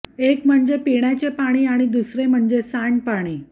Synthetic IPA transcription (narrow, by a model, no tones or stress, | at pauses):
ekm̤əɳd͡zepiɽjat͡ɕepaɽ̃iːaɽ̃id̪usɾem̤əɳd͡zesaɳpaɽ̃iː